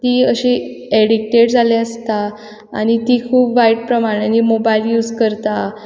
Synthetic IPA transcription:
t̪iəɕi | eɽik̚ʈeɽd͡zʱaleəst̪a̰ː | ñit̪iːkʰuːpʋaiʈ̚pɾəmaɽ̃animobailjuːd͡zkəɾt̪a

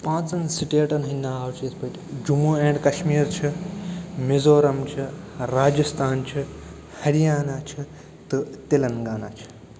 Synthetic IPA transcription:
pãːt͡sɐnsiʈeːʈɐnɦɐnːaːaːwt͡ʃʰijɐspɐtʲd͡ʒumuːẽːɳɖkɐʃmiːɾt͡ʃʰi | mizoːɾɐmt͡ʃʰiɾaːd͡ʒɐst̪ʰaːnt͡ʃʰi | hɐɾijaːnaːt͡ʃʰi | t̪ɨt̪ilɐnɡaːna̰t͡ʃʰi̥

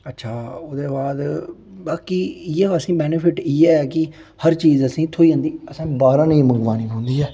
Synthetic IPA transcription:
ətːʃʰaːoːd̪eːbaːd̪baːkiːɪɛːəsĩːbɛːnəpʰɪʈiːɛːkɪ | həɾt͡ʃiːzəsĩːt̪ʰoːiːə̃nd̪iːəsãːbaːɾãːnĩːməŋɡʋaːnĩːɦõːnd̪iːɦɛː

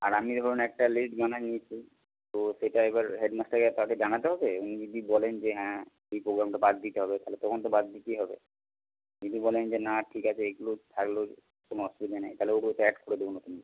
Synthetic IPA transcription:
a̰ɾamid̪ʱɔɾonɛk̚ʈalesʈbananiet͡ɕʰi | t̪oʃeʈaeβaɾɦeɖmasʈakat̪aked͡ʑanat̪eɦɔbeunid͡ʑod̪ibɔlend͡ʑeɦɛ̃ | ejpɾoɡɾamʈabad̪d̪it̪eɦɔbet̪aɦlet̪ɔkʰont̪obad̪ːikiɦɔbḛ | d͡ʒid̪ibɔlend͡ʑenaʈʰikat͡ɕʰeeɡulot̪ʰaklo | konoɦɔʃbid̪anajt̪aɦleokot̪ɛʈkʰoɽed̪ebonot̪umi

